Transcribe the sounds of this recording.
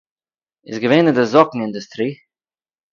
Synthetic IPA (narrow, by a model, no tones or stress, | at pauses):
ɪsɡəveːnɪdɪzɔkŋ̩ɪndʊstɾiː